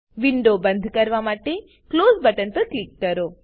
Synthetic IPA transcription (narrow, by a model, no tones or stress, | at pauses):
ʋiɳɖobənd̪ʱkəɾʋamaʈe | klozbəʈənpəɾklikːəɾo